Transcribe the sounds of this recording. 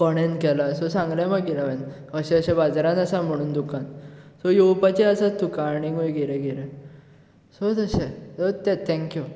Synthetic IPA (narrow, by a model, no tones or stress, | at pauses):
kɔɽ̃enkɛlasɔsãŋɡljamaɡiɾaʋen | əɕɛ̃əɕɛ̃bad͡zɾãnəsam̤əɽ̃uːnd̪ukãnsɔjowpat͡ɕeəsat̪ːukãːɽ̃iɡojɡiɾeɡiɾe | sot̪əɕɛsot̪ɛt̪ʰɛ̃ŋkju